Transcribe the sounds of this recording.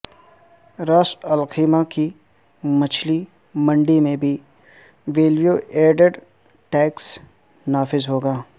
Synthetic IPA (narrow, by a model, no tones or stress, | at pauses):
ɾaːʃɐlqiːmaki | mɐt͡ʃʰli | mɐ̃ɳɖimẽbʱi | ʋeːlʋijoːʔeːɖəɖ | ʈɛːks | naːfɪzɦoːɡaː